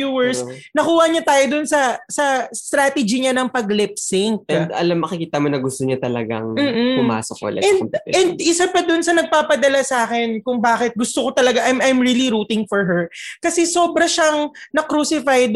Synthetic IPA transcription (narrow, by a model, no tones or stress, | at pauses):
uːwɛɹsnɐkuːhɐɲɐt̪aːjod̪ʊnsɐsɐst̪ɾaːt̪ɛd͡ʒiɲanɐŋpɐɡlɪpsɪŋɐɐ̰lamːɐkɪkiːt̪ɐmonɐɡʊst̪oɲat̪ɐlɐ̰ɡa̰ŋm̩ːpʊma̰ːsok̚ːo̰lʔɐ̰ɛnd̪̰̚ʔɛnd̪̚ʔɪsapɐd̪ʊnsɐnɐɡ̚paːpɐd̪ɐlasaːkɛnkʊŋbaːkɪt̪̚ɡʊst̪okot̪ɐlɐɡaʔajmʔajmɹiːliɾuːt̪ɪŋfɔɹɦɛɹkɐsɛso̞ːbɾɐʃaŋnɐkɾuːsɪfajd̪